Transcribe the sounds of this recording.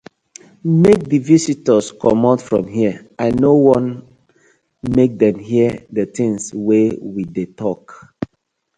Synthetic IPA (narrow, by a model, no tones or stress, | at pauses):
mek̚dəvisitəskʰɔmatfɹɔ̃mɦiəʔaɪnowɔ̃n | mek̚dɛ̃mɦiədətĩŋswewidetɔk